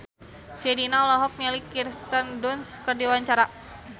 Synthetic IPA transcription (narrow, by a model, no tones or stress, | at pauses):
sɛdinaulaɦɔk̚mɛlikirst̪əndɔnskərdiwaɲt͡ʃaɾa